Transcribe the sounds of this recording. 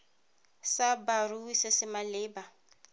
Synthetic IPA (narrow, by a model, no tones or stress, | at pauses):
sabaruisɪsɪmalɪːba